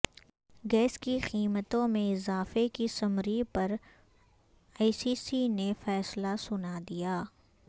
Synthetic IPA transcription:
ɡɛːskiqiːmət̪õmẽɪzaːfekisɐmɾipɐɾ | aɪsiːsinefɛːslasʊnad̪ijaː

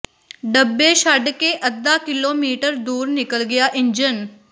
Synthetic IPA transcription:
ɖəbːeːʃəɖkeːʔəd̪aːkɪloːmiːʈəɾd̪uːɾnɪkəlɡɪjaːʔɪnd͡ʒən

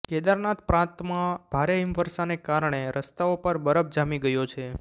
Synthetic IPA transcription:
kɛd̪aɾnat̪pɾãt̪mãbʱaɾeɪmfəɾsanekaɾɳeɾʔəst̪aopəɾbəɾəb̚d͡ʒamiɡəjot͡ʃʰe

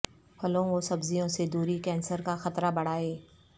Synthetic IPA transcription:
pʰɐlõʋosɐbzijõsed̪uːɾikɛ̃ːnsəɾkaxɐt̪ɾabɐɽ̤aːeː

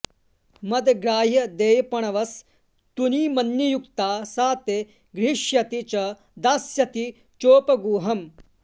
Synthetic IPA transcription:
mɐd̪ɡɾaːɦjɐd̪eːjɐpɐɳ̃ɐʋɐs | t̪unimɐnjɐjukt̪aːsaːt̪e | ɡɾiʂjɐt̪it͡ʃɐ | d̪aːsjɐt̪i | t͡ʃoːpɐɡuːɦɐm

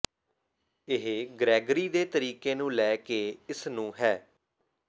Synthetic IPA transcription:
ɪɦɡɾɛːɡɾiːd̪eːt̪əɾiːkeːnũːlɛːkeːɪsnũːɦɛː

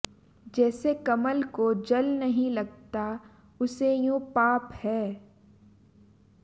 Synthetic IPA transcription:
d͡ʒɛːsekɐməlkod͡ʒɐlnɐɦĩlɐɡt̪a | ʊsejõpaːphɛː

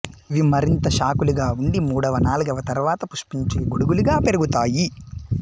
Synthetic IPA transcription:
ʋimɐɾint̪ɐʃaːkuluɡaːuɳɖimuːɽɐʋɐnaːluɡɐʋɐt̪ɐɾʋaːt̪ɐpuʂpiɲt͡ʃeːɡuɽuɡuluɡaːpe̞ɾuɡut̪aːji

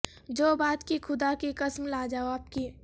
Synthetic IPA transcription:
d͡ʒoːbaːt̪kixʰʊd̪akikəsmlaːd͡ʒaoaːp̚kiː

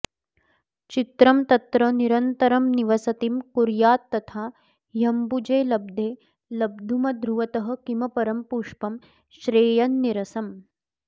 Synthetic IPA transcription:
t͡ʃit̪ɾɐmt̪ɐt̪ɾɐniɾɐnt̪ɐɾɐmniʋɐsɐt̪imkuɾjaːt̪ːɐt̪ʰaː | jɐmbud͡ʒeːlɐb̚d̪ʱeː | lɐb̚d̪ʱumɐd̪ɾuʋɐt̪ɐɦɐ̆kimɐpɐɾɐmpuːʂpɐm | ʃɾeːjɐnːiɾɐsɐm

